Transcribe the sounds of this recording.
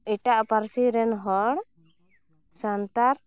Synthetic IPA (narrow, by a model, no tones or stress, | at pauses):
iʈaʔpaɾsiɾɛnɦɔɽ | sant̪aɾ